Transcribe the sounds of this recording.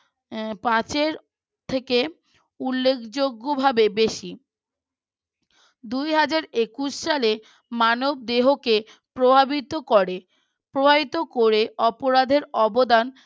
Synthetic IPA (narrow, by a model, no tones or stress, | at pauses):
pãt͡ɕeɾ | t̪ʰeke | ulːekʰd͡ʑoɡːobʱabebeʃi | d̪ujɦad͡ʑaɾekuʃʃale | manob̚d̪eɦoke | pɾobʱabit̪okoɾe | pɾobʱabit̪okoɾeɔpoɾad̪ʱeɾɔbod̪an